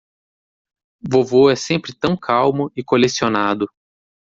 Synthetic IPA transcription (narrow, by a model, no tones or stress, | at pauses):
vovoɛsẽmpɾɪt̪ɐ̃w̃kʰawmʊɪkolesionad̪ʊ